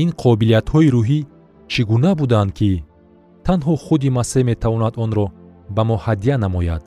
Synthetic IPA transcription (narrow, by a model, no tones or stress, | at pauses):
inqʰɔbilijat̪hɔiɾuɦi | t͡ʃʰiɡunabud̪and̪̚kʰi | t̪ʰanɦɔχud̪imaseme̞t̪ʰavɔnad̪ɔnɾɔ | bamɔhad̪ijanamɔja̰d̪̥